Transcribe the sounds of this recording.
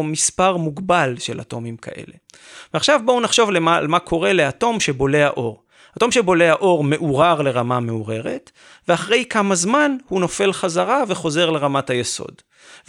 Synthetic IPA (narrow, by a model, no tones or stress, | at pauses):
mispaʁmuɡbalʃela̰to̞mimkʰa̰ʔe̞̰le̞ | veaχʃavbounaχʃo̞vlealmakʰo̞ʁe̞le̞ato̞mʃe̞bo̞leha̰ʔo̞ʁ | hato̞mʃe̞bo̞le̞aʔo̞ʁme̞ʔuʁaʁle̞ʁamame̞uʁe̞ʁe̞t | veaχʁe̞jkamazmanhuno̞fe̞lχazaʁave̞χo̞ze̞ʁle̞ʁamathajeso̞̰d | v